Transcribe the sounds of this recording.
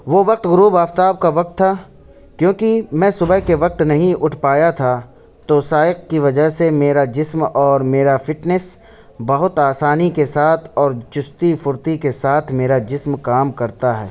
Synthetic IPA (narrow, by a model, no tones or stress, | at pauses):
ʋoːʋɐq̚t̪ɡʊɾuːbaːft̪aːb̚kaʋɐq̚t̪ʰːa | kjõːkimɛ̃ːsʊbəɦkeʋɐq̚t̪nɐɦĩʔʊʈʰpaːjat̪ʰa | t̪osaːɪq̚kiʋɐd͡ʒəɦsemeːɾad͡ʒɪsmɔːɾmeːɾafɪʈnəs | bɐɦʊt̪aːsaːnikesaːt̪ʰɔːɾt͡ʃʊst̪ifʊɾt̪ikesaːt̪ʰmeːɾad͡ʒɪsmkaːmkɐɾt̪aɦɛ̰ː